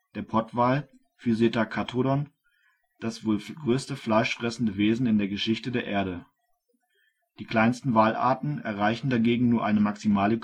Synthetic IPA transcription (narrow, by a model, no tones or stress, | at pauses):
d̥eːɐpʰɔɐtv̥aːl | fyzetakʰatʰodɔn | d̥asv̥oːlɡʁøːstəflaɪʃfʁ̥ɛsn̩dəveːzn̩ɪndeːɐɡəʃɪçtədeːɐʔeːɐɾə | d̥iːkl̥aɪnstn̩vaːlʔa̰ːɐtn̩ɛ̰ɐʁaɪçn̩daɡeːɡŋ̩nuːɐʔaɪnəmaksimaːlə